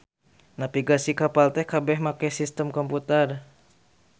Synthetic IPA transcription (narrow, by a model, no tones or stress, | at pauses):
napiɡasikapalt̪ɛhkabɛɦmakɛjsist̪əmkɔmput̪ər